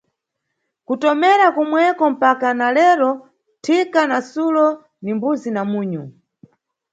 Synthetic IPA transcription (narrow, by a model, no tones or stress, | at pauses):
kutɔmɛɾakumwɛkɔm̩pakanalɛɾɔ | tʰikanasulɔ | nimbuzinamuːɲu